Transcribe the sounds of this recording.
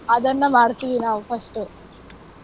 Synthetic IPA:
ɐd̪ɐnːɐmaːɽut̪iʋinaːʋupʰɐsʈu

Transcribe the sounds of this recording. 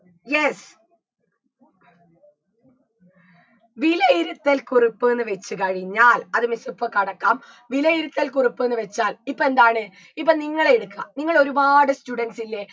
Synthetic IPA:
jes | ʋilɐiɾut̪ːelkuripːuenːɨʋe̞t͡ɕːukɐɻiɲːaːlɐðɨmisupːɐkɐɽɐkːaːm | ʋilɐjiɾut̪ːelkuripːɨenːɨʋet͡ɕːaːlipːoe̞nd̪aːɳɨ | ipːɐniŋːɐɭeeɽukːɨɐ̰niŋːɐɭo̞ɾubaːɽɨstuɽɐnsilːe̞

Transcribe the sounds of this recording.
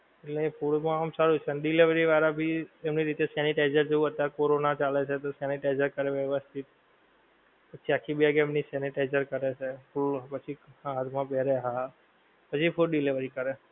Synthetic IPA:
eʈlefuɽmãamsaɾut͡ʃʰeənɖileʋəɾiʋaɾabʱiemniɾit̪esɛniʈajzəɾd͡ʒeʋuɦət̪ːaɾkoɾonat͡ʃalet͡ʃʰet̪osɛniʈajzəɾkəɾeʋjɛʋəst̪ʰit̪̚ | pət͡ʃʰiakʰibʱiaɡemnisɛniʈajzəɾkəɾet͡ʃʰefulpət͡ʃʰihãat̪ʰmãbɛɾeɦa | pət͡ʃʰifuɖileʋəɾikəɾe

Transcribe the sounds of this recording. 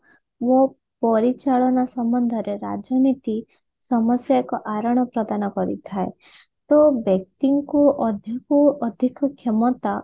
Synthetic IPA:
wo | pɔɾit͡ʃaɭɔnasɔmbɔnd̪ʱɔɾeɾa̰d͡ʒɔnit̪i | sɔmɔsjakɔʔaɾɔɽ̃ɔpɾɔd̪anɔkɔɾḭt̪ʰae | t̪obek̚t̪iŋkuɔd̪ʱjɔkuɔd̪ʱikɔkʰemɔt̪a

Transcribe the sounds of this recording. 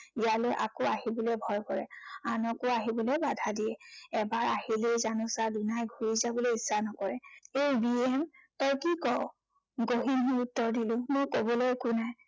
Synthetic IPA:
ijalɔjʔa̰kɔaɦibɔlɛbʱɔjkɔɹɛanɔkʊaɦibɔlɛbadʱadijɛɛbaɹahilezanʊsadunajɡʱuɹizabɔlojisːanɔkɔɹɛejbiɛmtɔjkikɔʊ | ɡoɦinɦiutːɔɹdilʊ̃mʊjkobɔlojkʊnaj

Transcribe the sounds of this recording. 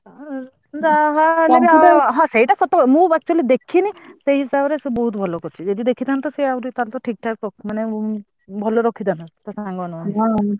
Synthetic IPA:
zaɦaleɡɦɔ̃sejʈasɔt̪ːɔkmũak̚t͡ʃualid̪ekʰinisejɦisabɔɾɛsubɔɦut̪bʱɔlɔkɔt͡ʃʰizɔdid̪ekʰitant̪ɔsejaɾit̪alt̪ɔʈʰik̚tʰakːɔk̚manɛ | bʱɔlɔɹɔkʰitanatasaŋɡɔanɔani

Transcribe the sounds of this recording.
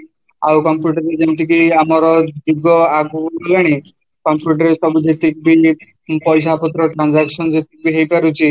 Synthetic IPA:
awkɔmpjuʈaɾed͡ʒent̪ikiamɔɾɔd͡ʒuɡɔaɡuɔlaɽ̃i | kɔmpjuʈaɾesɔbud͡ʒet̪ik̚bi | pɔjsʰapɔt̪ɾɔʈɾand͡ʒaksɔnd͡ʒet̪ik̚biɦejpaɾut͡ʃʰi

